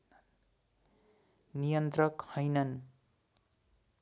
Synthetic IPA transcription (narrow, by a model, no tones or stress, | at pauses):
nijʌnt̪rʌkhʌjnʌn